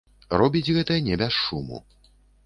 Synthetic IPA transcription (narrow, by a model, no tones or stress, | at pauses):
rɔbʲid͡zʲɣɛt̪ɐjɐnʲɛbʲɛsʂumṵ